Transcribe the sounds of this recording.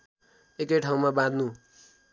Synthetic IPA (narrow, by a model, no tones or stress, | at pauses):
ekʌjʈʰaw̃mabãd̪ʱnu